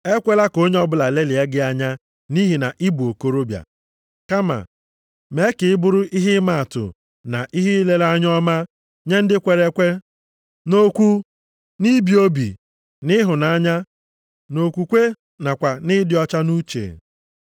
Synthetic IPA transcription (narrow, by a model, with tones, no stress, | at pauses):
e˦kʷe˦la˦ko˦ɲ˦ɔ˦bʊ˦˨la˨le˦li˨e˦ɡɪ˦a˦ɲa˦ | ni˦ɦi˨na˨ʔi˦bu˨o˨ko˦ɾo˦bja̰˨ | ka˦ma̰˨ | me˨˦kɪ˨ɪ˦bʊ˦ɾʊ˦ʔi˦ɦɪ˦ma˦˨a˨tʊ̰˨ | na̰˨ʔi˦ɦi˦le˦la˦ɲ˦ɔ˦ma˦ | ɲe˦n̩˦dɪ˦kʷe˨ɾe˦kʷe˦ | no˦kʷu˦ | ni˦bi˨o˦bḭ˨ | nɪ˦ɦʊ˨na˨ɲa˦ | no˨kʷu˨kʷe˦ | na˨kʷa˨nɪ˦dɪ˨ɔ˦t͡ʃa˦nu˦t͡ʃḛ˨